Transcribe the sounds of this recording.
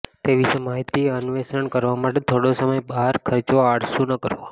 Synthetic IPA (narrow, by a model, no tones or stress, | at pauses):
t̪eʋisəmaɦjt̪iənʋesəɳkəɾʋamaʈet̪ʰoɽosəməjbaɦəɾkʰəɾt͡ʃoaɽsũnəkəɾʋo